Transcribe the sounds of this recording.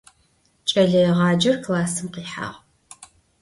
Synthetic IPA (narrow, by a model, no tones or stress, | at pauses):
t͡ʃʼɐɮɐjɛʁɑːd͡ʒɐrkʰlaːsɨmqiːħa̰ːʁ